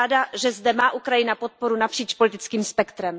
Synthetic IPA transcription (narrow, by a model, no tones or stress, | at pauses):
daʒɛzdɛmaːʔukɾajɪnapo̞t̪̚po̞ɾunapr̥iːt͡ʃpo̞lɪt̪ɪt͡skiːmspɛkt̪ɾɛm